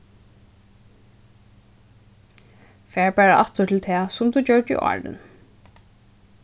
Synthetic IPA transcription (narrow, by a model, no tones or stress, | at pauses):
fæːɹpæːɹaʔa̰t̪ʊt̪ʰɪlt̪ʰɛːsʊmt̪ʰuːt͡ɕœɹdḭʔɑ̰ːɹɪ̰n